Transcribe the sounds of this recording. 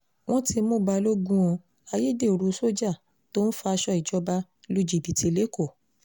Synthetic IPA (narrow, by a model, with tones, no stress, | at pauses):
w̃ɔ̃˦ti˧mõ˦˨ba˧lo˦ɡũ˦ɔ̃˧ | a˧je˦de˦˨ɾu˧so˦d͡ʒa˦˨ | to˦n̩˦fa˧a˧ʃɔ˧i˨d͡ʒɔ˧˦ba˧ | lu˦d͡ʒi˨bi˨ti˨˧le˦ko˦˨